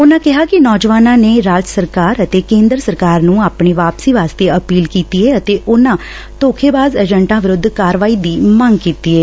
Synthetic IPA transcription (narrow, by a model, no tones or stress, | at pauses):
ʊnãːkɪɦaːkɪnɔːd͡ʒʋaːnãːneːɾaːd͡ʒsəɾkaːɾət̪eːkẽːnd̪ɾsəɾkaːɾnũːaːpɳeːʋaːpsiːʋaːst̪eːəpiːlkiːt̪iːeːət̪eːʔʊnãː | t̪oːkʰeːbaːzəd͡ʒəɳʈãːʋɪɾʊd̪ʱːkaːɾʋaːiːd̪iːməŋɡkiːt̪iːeː